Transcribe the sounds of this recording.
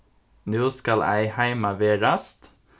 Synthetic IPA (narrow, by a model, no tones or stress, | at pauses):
nʉːskɑlʔæ̰ɪhæɪmɑʋeːɾɑst̪